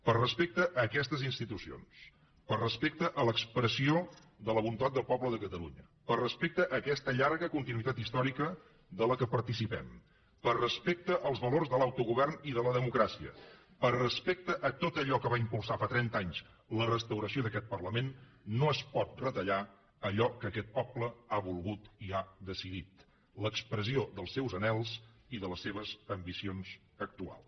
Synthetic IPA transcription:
pərəspek̚t̪əʔəkɛst̪əzinst̪it̪usio̰ns | pərrəspek̚t̪əʔələkspɾəsio | ðələβunt̪at̪̚d̪əlˠpɔbləðəkət̪əlṵɲə | pərrəspek̚t̪əʔəkɛst̪əʎaɾɣəkunt̪inuit̪at̪ist̪ɔɾikə | ðələkəpəɾt̪isipɛ̰m | pərəspek̚t̪əʔəlˠzβəlorzðəlawt̪uɣuβɛrniðələðəmukɾasiə̰ | pərːəspek̚t̪əʔət̪ot̪əʎɔkəβaimpulˠsafat̪ɾɛnt̪aɲz | lərəst̪əwɾəsioðəkɛt̪̚pərləmenː | oəspɔt̪̚rət̪əʎa | əʎɔkəːkɛt̪̚pɔpləaβulˠɣut̪iad̪əsiðit̪ | ləkspɾəzioðəlˠsːɛwzənɛlˠziðələsːeβəzəmbisionz | ək̚t̪ua̰lˠs

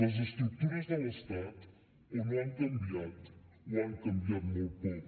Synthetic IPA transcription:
əzəst̪ɾuk̚t̪uɾəzðələst̪at̪ | ɛnaŋkɐmbiat̪ | waŋkɐmbiat̪mowpɔ

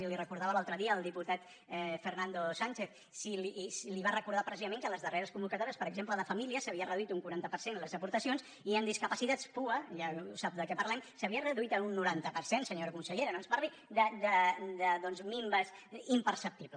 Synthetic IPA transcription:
ilirəkuɾð̞aβəlalˠt̪ɾəðiəːlˠd̪iput̪at̪ | fərnand̪osaɲt͡ʃeθ | silisliβ̞arəkuɾð̞apɾəsizəmeŋkələzðəreɾəskumbukət̪ɔɾiəspəɾəɡzempləðəfəmiliəsəβiərəðuit̪uŋkuɾant̪əpəɾsenləzəpuɾt̪əsions | iənd̪iskəpəsit̪at̪spuəʒausap̚d̪əkɛpəɾrlɛmsəβiərəðuit̪əunːuɾant̪əpəɾsensəɲoɾəkunsəʎeɾənõnzparli | d̪əd̪əd̪əðɔnzmimbəzimpəɾsəp̚t̪iβl

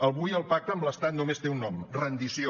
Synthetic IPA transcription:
əlˠβujəlˠpak̚t̪əːmbləst̪at̪̚numest̪eunːɔmrənd̪isjo

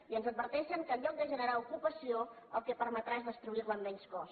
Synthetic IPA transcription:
iənzəd̪̚bəɾt̪ɛʃəŋkəlʎɔk̚d̪əʒənəɾaukupəsio | əlˠkɛpəɾmət̪ɾaezðəst̪ɾuiwamːɛɲskɔs

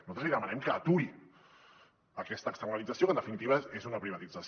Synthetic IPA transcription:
nuzat̪ɾəzliðəmanɛmkəːt̪ui | əkɛst̪əːkst̪ərnalid͡zəsijokənd̪əfinit̪iβəezunəpɾiβ̞ɐt̪id͡zas

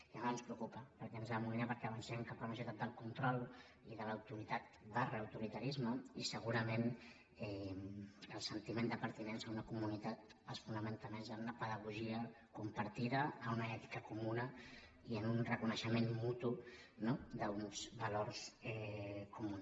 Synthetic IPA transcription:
iamanspɾəukupəpəɾkɛənzaəmuminapəɾkɛəβənsɛmkapalmas̬ut̪at̪̚d̪əlˠkunt̪ɾɔlˠ | iðələwt̪uɾit̪at̪̚barːwt̪uɾit̪əɾizməisəɣuɾəmen | ɛ | əlˠsənt̪imend̪əpəɾt̪inensəunəkumunit̪at̪̚əsfunəment̪əmezənunəpəðəɣ̞uʒiə | kumpəɾt̪iðəːunəɛt̪i̥kəkumunə | iənunrəkunəʃəmenmut̪unod̪əunz̥βəloɾzɛkumun

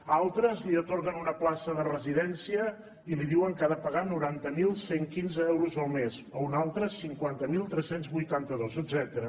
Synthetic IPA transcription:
alˠt̪ɾəzliət̪oɾɣənunəplasəðərəziðɛnsiə | iliðiwəŋkaðəpəɣanuɾant̪əmilˠseŋkinzəɛwɾuzəlˠmezəunalˠt̪ɾəsiŋkwant̪əmilˠt̪ɾɛsenzβujt̪ant̪əðozəd̪zɛt̪əɾə

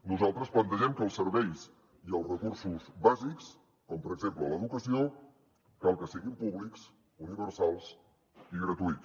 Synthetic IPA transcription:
nuzalˠt̪ɾəsplənt̪əʒɛmkəːlˠsːəɾβɛjs | iəlˠrəkursuzβaziks | kɔmpəɾəɡzemplələðukəsio | kalˠkəsiɣimpuβliks | uniβəɾsalˠs | iɣɾət̪uit̪t͡s

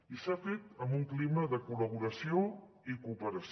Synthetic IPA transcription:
isafet̪əmbuŋkliməðəkuləβ̞uɾəsio | ikuːpəɾəs

